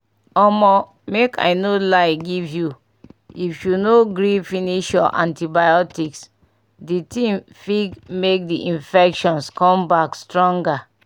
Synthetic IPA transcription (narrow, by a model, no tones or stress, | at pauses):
ɔmɔ | mekʰa̰ɪnolaɪɡivju | ifjunoɡɾifiniʃɔ̰ʔã̰ntibajɔtiks | ditĩmfiɡmek̚diʔĩnfɛkʃɔ̃nskɔ̃mbakstɹɔ̃ŋɡa